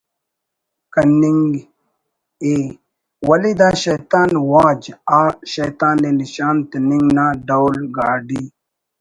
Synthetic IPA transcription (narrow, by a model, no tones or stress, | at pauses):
kɐniŋɡ | eː | wɐlid̪aːɕɐjt̪aːnwaːd͡ʑaːɕɐjt̪aːneliɕaːnt̪eniŋɡnaːɖawlɡaːɖi